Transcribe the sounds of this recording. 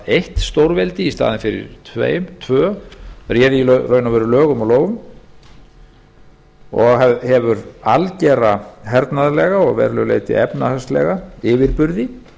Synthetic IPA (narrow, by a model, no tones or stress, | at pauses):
ejht̪st̪owɾvɛlt̪ɪist̪a̰ːðɪnfɪɾɪ̰ɾ̥t̪ʰvḛːjʏmt̪ʰvœːrjɛːðilrœːɥnavɛɾʏlœːɣʏmɔloːwɣʏm | ɔɣɛhɛvʏɾalcɛɾrahɛɾt̪naðlɛɣaɔɣvɛ̰ɾlʏɣlḛjt̪ɪ̰ɛpnahast̪lɛ̰ɣaɪːvɪɾpʏɾðɪ